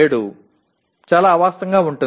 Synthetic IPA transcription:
eːɽu | t͡ʃaːlaːʋaːst̪ɐŋɡaːuɳʈun

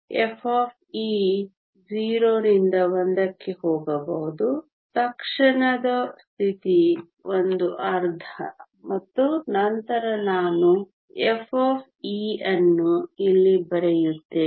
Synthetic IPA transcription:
efʰoːpʰiː | d͡ʒiːɾoːɾind̪ɐʋɐnd̪ɐkːehoːɡɐbɐɦud̪u | t̪ɐkʂɐɳɐd̪ɐst̪ʰit̪i | ʔond̪uʔɐɾd̪ʱʰɐ̰ | mɐt̪ːunɐnt̪ɐɾɐnaːnu | efʰoːpʰ | iːɐnːuilːibɐɾejut̪ːe

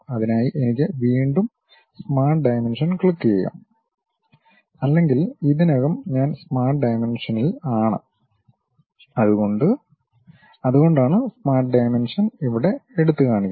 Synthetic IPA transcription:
ɐðinaːjiʔenik̬ʲːɨʋiːɳɖum | smaːrʈ̚ɖɐjmenʂɐnkɭikːijɐjɐ̰ːm | ɐlːe̞ŋɡiliðinɐɣɐmɲaːnsmaːrʈɖɐjmenʂɐnilaːɳɨ̰ | ɐðuɣo̞ɳɖɨ | ɐðuɣo̞ɳɖaːɳɨsmaːrʈ̚ɖɐjmenʂɐniʋiɽe̞eɽut̪ːɨkaːɳikʲː

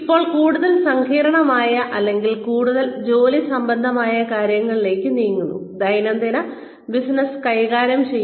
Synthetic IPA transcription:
ipːo̞ːɭkuːɽuðɐlsɐŋkʰiːɾɐɳɐmaːjɐʔɐlːe̞ŋɡilkuːɽuðɐld͡ʑo̞ːlisɐmbɐnd̪ʱɐmaːjɐkaːɾjɐŋːɐɭile̞ːkʲːɨniːŋːunːṵd̪ɐjnɐnd̪inɐ | bisnɐskɐjɣaːɾjɐmt͡ɕe̞jː

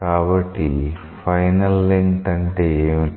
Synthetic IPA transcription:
aːʋɐʈi | fɐjnɐlːiŋkʈɐɳʈe

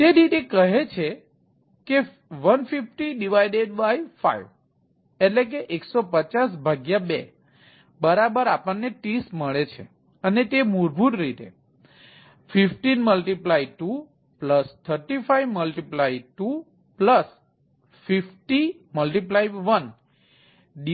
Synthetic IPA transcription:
t̪eɾit̪ekəɦet͡ʃʰe | ke | ʋənfifʈiɖiʋaiɖeɖbaifa̰iʋ | eʈlek̬eʔeksopət͡ʃasbʱaɡjabe | bəɾabəɾapəɳnːeʈisməɭet͡ʃʰḛ | ənet̪emuɾbʱuʈɾit̪ḛ | fifʈinməlʈiplaiʈu | pləst̪ʰəɾʈifaiʋməlʈiplaiʈu | pləs | fifʈi | məlʈiplaiʋʋən | ɖ

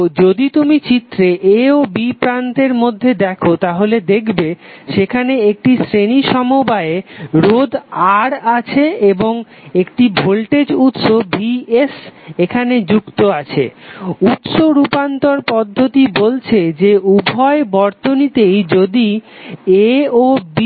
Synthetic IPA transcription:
d͡ʑod̪it̪umit͡ɕit̪ːɾeʔeobipɾant̪eɾmod̪ʱːed̪ɛkʰot̪aɦoled̪ekʰbeʃekʰaneek̚ʈisɾeniʃɔmobaeɾod̪aɾat͡ɕʰeeboŋ | ekʈibʱolʈed͡ʑut̪ʃobiesekʰaned͡ʑukt̪oat͡ɕʰḛut̪ʃoɾupant̪oɾpɔd̪ʱːot̪ibolt͡ɕʰed͡ʑeubʱɔebɔɾt̪onit̪ejd͡ʑod̪ieob

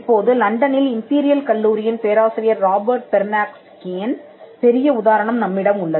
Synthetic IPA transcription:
pːoːðɯlɐɳɖɐnɪlɪmpiːɾɪjɐlkɐɭːuːɾɪjɪnpeːɾaːsɪɾɪjɐɾːaːbɐɾʈ̚pɛɾnaːkskeːn | pɛɾɪjɐʊðaːɾɐɳɐmnɐmːɪɽɐmʊɭːɐ

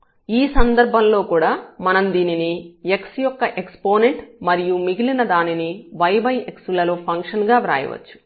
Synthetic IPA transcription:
iːsɐnd̪ɐɾbʱɐmlo̞ːkuːɽaːmɐnɐmd̪iːninieksjɔkːɐʔekspo̞ːne̞ɳʈmɐɾijumiɡilinɐd̪aːniniʋɐjbɐjeksulɐlo̞ːpʰɐŋkʂɐnɡaːʋɾa̰ːjɐ̰ʋɐ̰t͡ʃːu̥

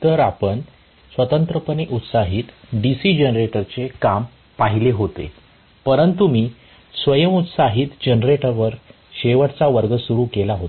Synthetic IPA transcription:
t̪əɾapəɳ | sʋət̪ənt̪ɾəpəniʔut̪saɦiːt̪ɖisiːd͡ʑənɾeʈəɾt͡sekam | paɦileɦot̪ḛ | pəɾənt̪umiː | sʋəjəmut̪saɦiːt̪d͡ʑənɾeʈəɾʋəɾ | ɕeʋəʈt͡saʋəɾɡəsuɾuːkelaɦot̪

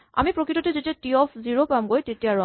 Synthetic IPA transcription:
a̰mipɹokɹitɔtɛzetiatiɔfʰziɹopamɡojtetijaɹɔ

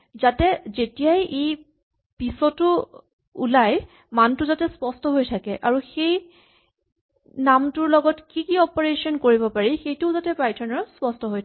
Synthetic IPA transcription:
zatɛzetijajʔej | pisɔtʊ | ṵlaj | mantʊzatɛspɔstɔɦojtʰakɛʔaɹuxej | namtʊɹlɔɡɔtkikiɔpɔɹesɔnkoɹibɔpaɹixejtʊzatɛpajtʰɔnɔɹspɔstɔɦojtʰ

